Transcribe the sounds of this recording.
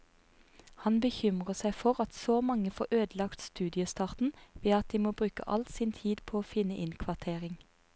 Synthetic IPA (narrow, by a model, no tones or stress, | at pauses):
hɑnbəçʏmʁəsæɪfɔʁɑt̪soːmɑŋəfoːʁøːd̪lɑkt̪st̪ʉːd̪ɪəst̪ɑːʁt̪n̩ʋeːɑt̪̚d̪iːmoːbʁʉːkə̰ʔɑ̰lt̪siːnt̪ʰiːd̪pʰoːoːfɪnəʔɪnkʰʋɑʁt̪ʰeːʁɪŋ